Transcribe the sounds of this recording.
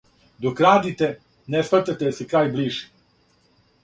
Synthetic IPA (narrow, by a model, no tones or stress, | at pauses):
d̪okɾaːd̪it̪e | nespaɾt̪at̪esekɾaːjbliːʒi